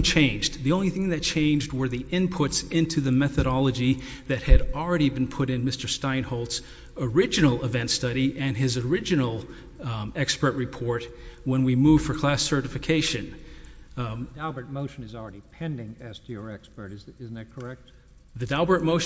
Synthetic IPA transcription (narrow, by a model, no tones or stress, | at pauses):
ŋt͡ʃʰẽɪ̃nd͡ʒðiõʊ̃nliθɪ̃ŋðɨt̚t͡ʃʰẽɪ̃nd͡ʒd̚wə˞ðiʔɪ̃npʰʊtsɪ̃ntʰʉðɨmɛθɨɾɑlˠəd͡ʒi | ðɨt̚hɨɾl̩ˠɹɛɾib̃n̩pʰʊɾɨ̃nmɪstə˞stãɪ̃nhoʊlˠts | ə˞ɪd͡ʒɨnl̩ˠɪvɛ̃ntstʌɾiʔɨ̃nɪzə˞ɪd͡ʒɨnl̩ˠ | ɛkspə˞ʔ̚ɹɨpʰɔɹt̚wə̃nwimuv̥fə˞kʰl̥æsɜ˞ɾɨfɨkʰeɪʃɨ̃n | dælˠbə˞t̚moʊʃɨ̃nɨzl̩ˠɹɛɾipʰɛ̃ndɪ̃ŋɨz̥tʰɨjə˞ɛkspə˞ɾɨzɪzn̩ɨt̚kʰə˞ɛk̚t̚ | ðɨdælˠbə˞t̚moʊʃ